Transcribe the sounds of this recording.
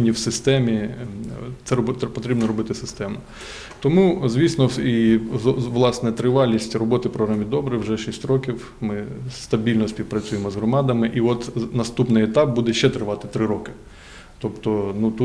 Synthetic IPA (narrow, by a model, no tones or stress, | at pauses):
nʲːiwsɪst̪ɛmʲi | t̪sɛpɔt̪ɾʲibnɔɾɔbɪt̪ɪsɪst̪ɛmnʊ | t̪ɔmuzʲʋʲisnɔi | ʋlˠɑsnɛt̪ɾɪʋɑlʲisʲtʲrɔbɔt̪ɪpɾɔɦɐmʲid̪ɔbɾɪwʒɛʃisʲtʲɾɔkʲiw | mɪst̪ɐbʲilʲnɔspʲiwpɾɐt͡sʲujemɔzɦɾɔmɑd̪ɐmɪʔiɔt̪nɐst̪upnɪjɛt̪ɑp̚bud̪ɛʃt͡ʃɛt̪ɾɪʋɑt̪ɪ̥t̪ɾɪɾɔkɪ̥ | t̪ɔpt̪ɔnut̪u